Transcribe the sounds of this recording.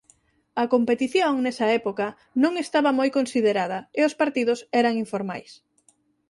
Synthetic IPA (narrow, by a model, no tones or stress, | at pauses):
ɐkompet̪iθjoŋnɛsɐɛpokɐ | nõŋest̪aβɐmojkonsiðeɾað̞ɐeospaɾt̪iðʊsɛɾɐŋiɱfoɾmajs